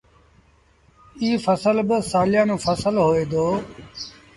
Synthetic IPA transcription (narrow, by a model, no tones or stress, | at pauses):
iːfəsəlbəsaːlɪjãːnõːfəsəlɦoːeːd̪oː